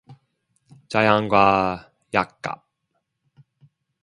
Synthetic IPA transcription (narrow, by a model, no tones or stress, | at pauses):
t͡ʃajaŋkwaː | jakːa̰p̚